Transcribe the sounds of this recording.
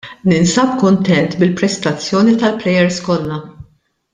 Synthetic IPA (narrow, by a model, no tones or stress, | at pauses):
nɪnsɐp̚kʊnt̪ɛnt̪bɪlpɾɛst̪ɐt͡sːjɔːnit̪ɐlplɛjɛɾskɔlːɐ